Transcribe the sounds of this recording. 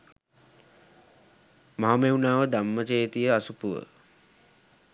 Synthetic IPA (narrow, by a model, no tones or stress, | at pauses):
maɦameunaːʋəd̪amːət͡ʃeːt̪ijəasupuʋə̰